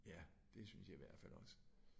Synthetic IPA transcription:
jæd̥e̝synsjɑ̈iʋæɐ̰d̥fælɒ̽sə̥

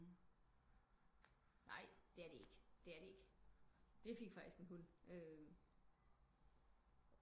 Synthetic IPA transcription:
nɑ̈ɪ̰d̥e̝æɐɾe̝e̝ɡ̥əd̥e̝æɐɾe̝eɡ̥ə | d̥ife̝ɡ̥fɑ̈ɡ̥isɡ̥e̝nɦul̰ʔø

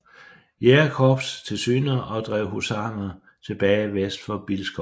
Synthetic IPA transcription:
jeːɐkʰɒb̥st͡sʰe̝lsy̰ːnɐʔɒ̽d̥ʁɛ̰ʊ̰ɦusɑ̈ːnɐ | t͡sʰe̝b̥ɛːɪʋesd̥fɒ̽b̥ilsɡ̥ɒ

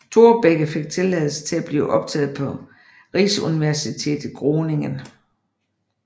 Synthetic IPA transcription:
t͡sʰo̝ɐb̥eɡ̥əfe̝ɡ̥̚t͡sʰe̝lɛð̩ˠsə̥t͡sʰe̝læb̥lḭːʔɒ̽b̥̚t͡sʰɛ̰ːð̞̩ˠpʰɒ̽ | ʁiːsəuniʋæɐsit͡sʰe̝̰ːd̥ð̩ˠɡ̥ʁoːne̝ŋən

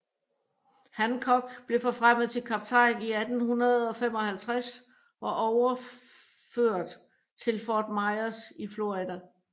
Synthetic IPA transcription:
hænkʰɒ̽ɡ̥b̥le̝fɒ̽fʁam̰ð̩ˠt͡sʰe̝lkʰɑ̈b̥̚t͡sʰɑ̈ɪniæd̥n̩hunɐð̞̩ˠɒ̽fem̰ɒ̽hælt͡sʰʁas | ɒʔɒʊɐ | føɐ̰d̥ | t͡sʰe̝lfɒːd̥mɑ̈ɪɐsiflo̝id̥æ

